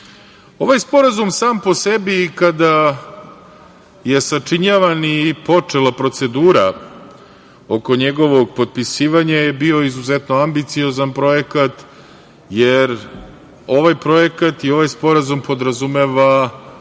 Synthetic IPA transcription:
o̞ʋajspo̞ɾazumsaːmpo̞sebikad̪a | je̞sat͡ʂiɲaʋanipo̞t͡ʂe̞lˠapɾo̞t̪se̞d̪uːɾa | o̞ko̞ɲeɡo̞ʋo̞ɡ̚po̞d̪̚pisiːʋaɲaje̞bio̞izuzet̪no̞ambit̪sijo̞zanpɾo̞jekat̪ | jeɾ | o̞ʋajpɾo̞je̞kat̪io̞ʋajspo̞ɾazumpo̞d̪ɾazume̞ʋa

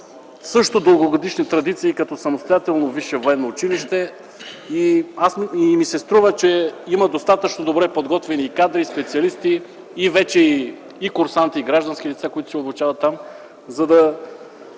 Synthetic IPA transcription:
sɤʃt̪od̪əlˠɡoɡod̪iʃnit̪ɾɐd̪it̪siːkɐt̪ɔsɐmost̪ojat̪ɛlˠnoviʃɛvoɛnːoːt͡ʃiliʃt̪ɛ | iasimisɛst̪ɾuvət͡ʃɛimɐd̪ost̪at̪ət͡ʃnod̪obɾɛpod̪ɡɔt̪vɛniːkad̪ɾispɛt̪siɐlist̪iː | vɛt͡ʃɛiː | kʊɾsant̪iiɡɾaʒd̪ɐnsk̟ilit̪sakoit̪ʊ̥sɛoblˠʊt͡ʃavɐt̪ːam | zɐd̪ɐ

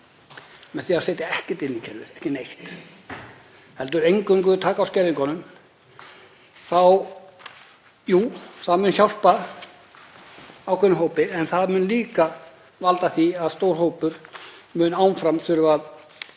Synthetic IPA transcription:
mɛnθiaðsɛːt̪aɛhcɛt̪ɪnːicʰɛɾvɪ̰ðɛ̥hcɪnejht̪ | hɛlt̪ʏɾejŋkʏŋk̬ʏt̪ʰaːkawscɛːɾðɪŋkɔnʏm | θaw | juːθaðmʏːnçawr̥pa | awkʰɛnʏmɦoːwpɪɛnθaðmʏːnliːka | valt̪aθiaðst̪owɾ̥hoːwpʏɾmʏːnaːwnfɾamθʏɾʏað

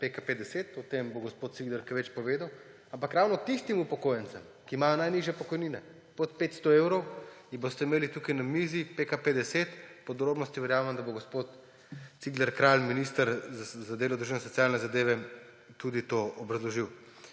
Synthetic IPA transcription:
pekaped̪ɛseːt̪ɔt̪emboɡospot̪̚t̪siɡlɛɾkʋet͡ʃpɔʋeːd̪aw | ampakɾawnɔt̪ist̪imupɔkoːjɛntt͡s̪sɛm | kiːmajonajniʒjɛpɔkɔjniːnɛ | pot̪̚peːt̪st̪ɔewɾɔwibost̪ɛimeːlit̪ukajnamiːzipekaped̪ɛseːt̪pɔd̪ɾoːbnɔst̪iʋɛɾjaːmɛmd̪aboɡospot̪ | t̪siɡlɛɾkɾalminist̪əɾzad̪eːlɔd̪ɾuʒiɛnɛsɔtsijaːlnɛzad̪eːʋɛ | t̪ud̪it̪oɔbɾɐzlɔʒiw

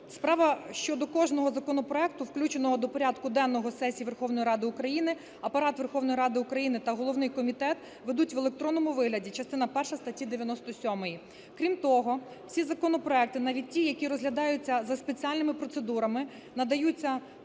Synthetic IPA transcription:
spɾɑʋɐʃt͡ʃɔd̪ɔkɔʒnɔɦɔzɐkɔnɔpɾɔɛk̚t̪ʊwklʲut͡ʃenɔɦɔd̪ɔpɔɾʲad̪kʊd̪ɛnːɔɦɔsɛsʲijiʋerxɔwnɔjiɾɑd̪ɪʊkɾɐjinɪ | ɐpɐɾɑt̪ʋe̞rxɔʋnɔjiɾɑd̪ɪʊkɾɐjinɪt̪ɐɦɔlˠɔʋnɪjkɔmʲit̪ɛt̪ | ʋed̪utʲʋelˠe̞k̚t̪ɾɔnːɔmʊʋɪɦlʲɐdʲit͡ʃɐst̪ɪnɐpɛrʃɐst̪ɐtʲːid̪eʋʲjɐnɔst̪ɔsʲɔmɔji | kɾʲimt̪ɔɦɔ | w̥sʲizɐkɔnɔpɾɔɛk̚t̪ɪnɑʋʲid̚ʲtʲijɐkʲiɾɔzɦlʲɐd̪ɑjʊt͡sʲːɐzɐspet͡sʲialʲnɪmɪpɾɔt̪sed̪uɾɐmɪ | nɐd̪ɐjut͡sʲːɐ

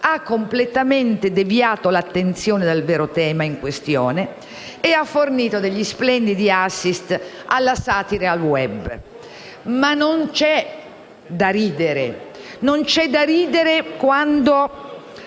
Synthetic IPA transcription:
akːomplet̪ament̪ed̪evjaːt̪olat̪ːent̪sjoːned̪elvɛːɾot̪ɛːmaiŋkwest̪jo̰ːne | eafːorniːt̪od̪eʎːisplɛnd̪id̪iasːist̪ | alːasaːt̪iɾealwɛb | manːont͡ʃɛ | d̪aɾiːd̪eɾḛ | nont͡ʃɛd̪aɾiːd̪eɾekwand̪o

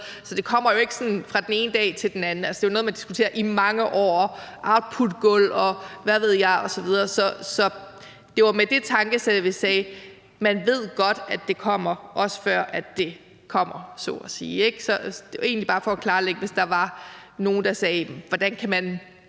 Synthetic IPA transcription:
sɒ̽d̥e̝kʰɒ̽m̰ɐjo̝e̝ɡ̥ə̥sɒ̽nfʁɑ̈d̥en̩e̝ːnəd̥ɛ̰ːt͡sʰe̝ld̥enænn̩ælsə̥d̥e̝ʋano̽ð̩ˠmænd̥isɡ̥u̥t͡sʰe̝̰ːɐʔimɑ̈ŋəʔɒ̰ːʔɑ̈ʊd̥̚pʰud̥ɡ̥ɔlɒ̽ʋæʋe̝ð̞̰ˠjɑ̈ɪɒ̽sɒ̽ʋið̞ˠɐːsɒ̽sɒ̽ | d̥e̝ʋɑ̈med̥e̝t͡sʰɑ̈ŋɡ̥əsed̥ʋesɛː | mænʋe̝ð̞̰ˠɡ̥ɒ̽d̥æ̥e̝kʰɒ̽m̰ɐʔɒ̽sə̥fɶɐ̰ʔæd̥ːe̝ | kʰɒ̽m̰ɐsɔ̰ːɒsḭːeɡ̥sɒd̥e̝ːnlib̥ɑ̈ːfɒ̽ːkʰlɑ̈ːleɡ̥əʋe̝sd̥ɑ̈ʋɑ̈no̝ːn̩d̥ɑ̈sɛːʋɒd̥ænkʰæmæn

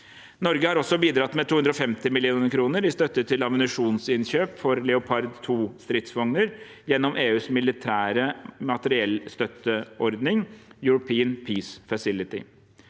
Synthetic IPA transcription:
nɔɾɡəhɑɾɔsɔbiːd̪ɾɑt̪mɛt̪ʰuːʉnd̪ɾɔfɛmt̪ɪmɪlɪuːnəkʰɾuːnəɾɪst̪œt̪ːət̪ʰɪlɑmənɪʂuːnsɪnçøːpfɔɾlɛʊpʰɑɾd̪t̪ʰuːst̪ɾɪt̪sʋɔŋnəɾ | jɛnːɔmʔeːʉːsmɪlɪt̪ʰæːɾəmɑt̪əɾɪɛlst̪œt̪ːəʔɔɾd̪nɪŋjʉɾʊpʰiːənpʰiːsfɑsɪlɪt̪ɪ̰

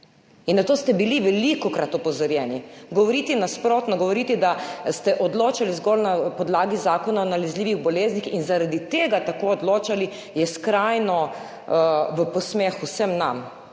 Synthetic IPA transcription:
inːat̪oːst̪ɛbiliʋɛlikɔkɾat̪ɔpɔzɔɾjɛːniɡɔʋɔɾiːt̪inaspɾoːt̪nɔɡɔʋɔɾit̪id̪ast̪ɛʔɔd̪loːt͡ʃalizɡɔlnapɔd̪laːɡizaːkɔnaonalɛzliːʋiɣbɔleːznixinzaɾad̪it̪eːɡat̪akoɔd̪loːt͡ʃali | jɛskɾajnɔ | ʋəpɔsmexusəmnam

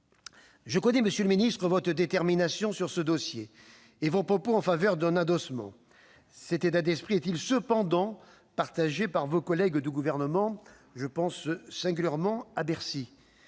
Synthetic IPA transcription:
ʒəkɔnɛməsjələminist̪χəvɔt̪χəd̪et̪ɛʁminasjɔ̃syʁsəd̪ɔsjeː | vopχɔpoɑ̃favœʁd̪ɛ̃nad̪ɔsmɑ̰̃ | sɛt̪et̪ad̪ɛspχiɛt̪ilsəpɑ̃d̪ɑ̃ | paʁt̪aʒepaʁvokɔlɛɡd̪yɡuvɛʁnəmɑ̃ | ʒəpɑ̃ssɛ̃ɡʲyljɛʁmɑ̃abɛʁsi

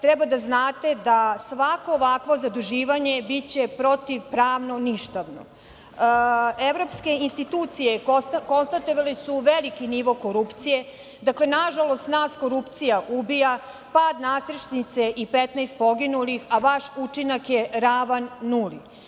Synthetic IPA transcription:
t̪ɾɛbad̪aznaːt̪e̞d̪asʋako̞ːʋakʋo̞zad̪uʒiːʋaɲebit͡ɕepɾo̞t̪iʋpɾaːʋno̞niʃt̪aʋno̰ | eʋɾo̞pske̞inst̪it̪uːt̪sijeko̞nst̪at̪oʋalesuʋelikiniʋo̞ko̞ɾupt̪sije̞ | d̪akle̞naʒalo̞st̪naːsko̞ɾupt̪sijaʔubija | paːd̪nasɾeʃnit̪seʔipet̪nast̪̚po̞ɡinulixaʋaʃut͡ʃinakjeɾaʋanːulḭ

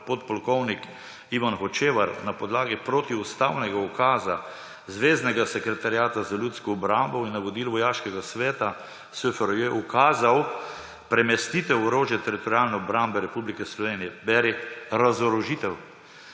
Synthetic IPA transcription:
pot̪̚pɔlkɔwnik | iʋanxɔt͡ʃeːʋaɾnapɔd̪laːɡipɾoːt̪iust̪awnɛɡaukaːza | zʋeːznɛɡasɛkɾɛt̪aɾjaːt̪azalʲjut̪skɔːbɾambɔinːɐʋɔd̪iːlʋɔjaːʃkɛɡasʋɛːt̪a | søfɛɾjɛukaːzaw | pɾɛmɛst̪iːt̪ɛwɔɾoːʒjɛt̪ɛɾit̪ɔɾjalnɛɔbɾambɛɾɛpublikɛslɔʋeːnijɛbɛɾɛɾazɔɾɔʒiːt̪ɛw

